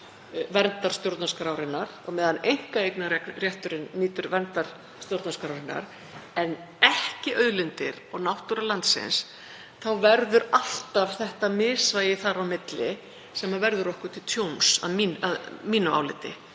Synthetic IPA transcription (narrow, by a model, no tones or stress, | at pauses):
vɛnt̪aɾ̥st̪jowɾt̪naskɾawɾɪnːaɾ̥ɔɣmɛːðanejŋ̥kaejknaɾɛkrjɛht̪ʏɾɪnːiːt̪ʏɾvɛɾnt̪aɾ̥ | st̪jowɾt̪naskɾawɾɪnːa̰ɾ | ɛn | ɛhcɪʔœðlɪnt̪ɪ̰ɾɔɣnawht̪uɾalant̪sɪ̰ns | θawvɛɾðʏɾal̥t̪av̥θɛht̪amɪːsvajɪθaɾawmɪt̪lɪ | sɛmavɛɾðʏɾɔhkʏɾ̥t̪ʰɪlt̪ʰjownsa̰ðmiːnaðmiːnʏa̰wlɪt̪ːɪ